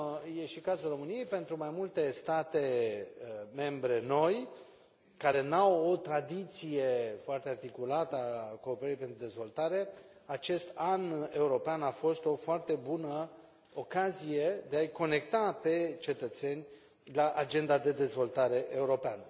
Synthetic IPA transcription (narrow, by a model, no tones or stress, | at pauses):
je̞ʃikazulro̞mɨnije̞jpe̞nt̪ɾumajmult̪e̞st̪at̪e̞ | me̞mbɾe̞no̞j | kaɾe̞nawo̞t̪ɾad̪it̪sije̞foart̪e̞art̪ikulat̪əako̞ːpeɾəɾipe̞nt̪ɾud̪e̞zvo̞lt̪aɾe̞at͡ʃe̞st̪ane̞uɾo̞peanafo̞st̪o̞foart̪e̞bunə | okazije̞d̪e̞ajko̞ne̞k̚t̪ape̞t͡ʃe̞t̪ət̪se̞nʲ | laʔad͡ʒe̞nd̪ad̪e̞d̪e̞zvo̞lt̪aɾe̞ʔe̞uɾo̞peanə